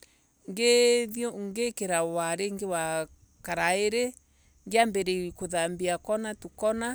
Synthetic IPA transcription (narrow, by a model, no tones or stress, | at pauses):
ŋɡeðjɔŋɡekeɾawaɾeŋɡewa | kaɾaeɾe | ŋɡjambɛɾewikoðambiakɔnatukɔna